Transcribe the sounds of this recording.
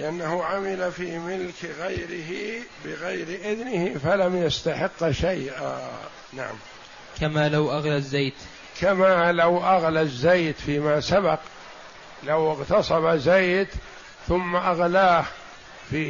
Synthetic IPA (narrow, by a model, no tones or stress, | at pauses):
lɪʔanːahʊʕamɪlafiːmɪlkɣajɾɪɦibɪɣajɾʔɪðnɪhɪfalamjast̪aħɪqːʃajʔa̰ː | na̰ʕa̰m | kamaːlawʔaɣlazːeːt̪ | kʰamaːlawʔaɣlazːajt̪fiːmasabaq | lawɪɣt̪ɑsˤɑbazajt̪ | θʊmːaʔaɣlaːh | fiː